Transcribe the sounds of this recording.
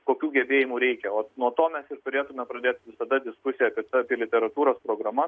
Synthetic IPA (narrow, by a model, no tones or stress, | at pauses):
koːkʲuːɡʲɛbʲeːjimuːɾʲɛɪkʲɛoːnuɔt̪oːmʲɛsɪrt̪ʊɾʲeːt̪ʊmʲɛpɾɐd̪ʲeːt̪ʲʋʲɪsɐd̪ɐd̪ʲɪskʊsʲɪjɛɐpʲiɛt̪ɐpʲiɛlʲɪt̪ʲɛɾɐt̪uːɾoːspɾoːɡɾɐmɐ